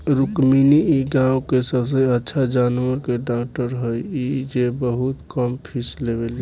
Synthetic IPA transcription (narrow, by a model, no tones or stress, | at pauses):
ɾukminiiɡãwkesəbs̬ẽətːʃʰad͡ʒaːnwəɾkeɖak̚ʈəɾɦəjid͡ʒebəɦut̪kəmpʰislebeli